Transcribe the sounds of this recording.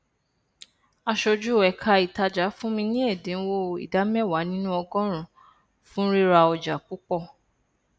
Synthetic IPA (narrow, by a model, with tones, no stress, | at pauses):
a˧ʃo˧d͡ʒu˦˨ɛ˨kʰa˧i˨ta˧d͡ʒa˨˦fũ˦mĩ˧nĩ˦ɛ˦˨dẽ˨˦n̩˦wo˦ḭ˨da˨˦mɛ˦˨wa˨˦nĩ˦nũ˦ɔ˧ɡɔ̃˦ɾ̃ũ˨ | fũ˦ɾi˦ɾa˧ɔ˧d͡ʒa˨k͡pu˦k͡pɔ˦˨